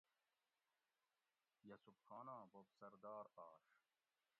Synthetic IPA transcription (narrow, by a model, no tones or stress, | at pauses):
jɐsubxaːnãːbobsɐɾd̪aːɾaːʂ